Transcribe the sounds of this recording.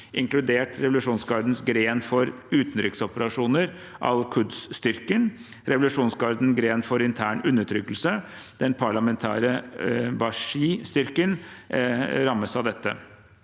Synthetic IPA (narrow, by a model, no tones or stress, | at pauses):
ʔɪŋklʉd̪eːʈɾɛʋʊlʉʂuːnsɡɑːɾd̪n̩sɡɾeːnfɔɾ | ʉːt̪n̩ɾɪksɔpəɾɑʂuːnəɾ | ʔɑ̰lkʰʉd̪sst̪ʏɾkən | ɾɛʋʊlʉʂuːnsɡɑɾd̪n̩ɡɾeːnfɔɾɪnt̪ʰæːɳʉnːəʈʰɾʏkːəlsə | d̪̥ɛnpʰɑɭɑmɛnt̪ʰæ̰ːɾəbɑʂiːst̪ʏɾkən | ɾɑmːəsɑʋd̪ɛt̪ːə̰